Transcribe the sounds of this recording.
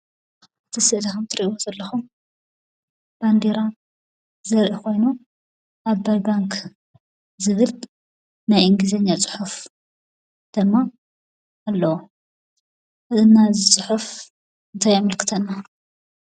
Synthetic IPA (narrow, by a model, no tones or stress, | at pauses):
ɨt̪ʰɨsɨʔd̪ɐxumt̪ʰɨɾiʔozɐlːɐxum | b̥and̪eɾa | zɐɾʔikʰo̞jnu | ʔaβbajbaŋkʰ | zɨβɨl | najʔɨŋɡizɐɲːat͡sʼʊ̥ħuf | d̪̥ɨmːa | ʔːlːɐwo | ʔɨʔɨnːazɨt͡sʼɨħuf | ɨnt̪ʰajamɐlkʰɨ̥t̪ʰɐnːa